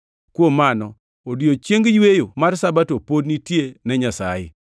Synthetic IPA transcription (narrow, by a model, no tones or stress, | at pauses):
kwomanɔ | odiot͡ʃjeŋɡjwejomarsabatopodnitjenɛɲasa̰jɪ̰